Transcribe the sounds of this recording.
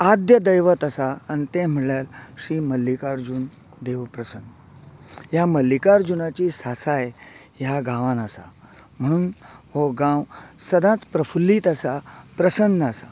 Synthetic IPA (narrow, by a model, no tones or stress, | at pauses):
ad̪jəd̪əjʋət̪asaːnit̪ẽm̤əɭjalɕiːməlːikaɾd͡ʑun | d̪eʋpɾəsən | jaməlːikaɾd͡ʑunat͡ɕiːsasaj | jaɡãʋãnasa̰ | m̤əɽ̃uːnhoɡãwsəd̪ãt͡spɾəfulːiːt̪asapɾəsənːasa